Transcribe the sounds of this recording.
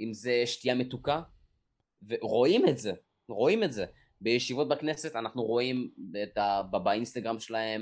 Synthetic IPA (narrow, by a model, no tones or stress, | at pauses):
imzeʃtijame̞t̪uka | veʁo̞imetze̞ | ʁo̞imetze | be̞jeʃivo̞t̚baknese̞t̪anaχnuʁo̞imet̪ababainst̪aɡʁamʃelahe̞m